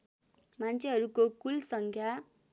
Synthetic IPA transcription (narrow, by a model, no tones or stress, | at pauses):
mant͡sʰeɦʌɾukokulsʌŋkʰja